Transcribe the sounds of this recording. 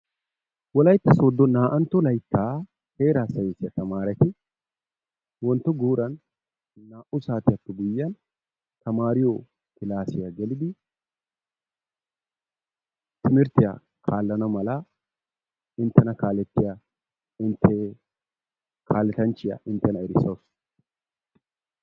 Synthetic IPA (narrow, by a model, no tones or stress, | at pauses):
wɔlɐjt̪ːɐsoːd̪ːɔnaːʔɐnt̪ːɔlɐjt̪ːaː | he̞ːɾaːsɐjesɪjɐt̪ɐmaːɾɛt̪ɪ | wɔnt̪ːɔɡuːɾɐn | naːʔʊsaːt̪ɪjɐt̪ːʊɡʊjːɐn | t̪ɐmaːɾɪjo | kɪlaːsɪjɐɡɛlɪd̪ɪ | t̪ɪmɪɾt̪ɪja̰ | kʰaːlːɐnɐmɐlɐ | ɪnt̪ːɛnɐkaːlɛt̪ːɪja | ɪnt̪ʰːe | kʰaːlːɛt̪ɐnt͡ʃːɪjɐ̰ʔɪnt̪ːɛnɐɛɾɪsɐwʊs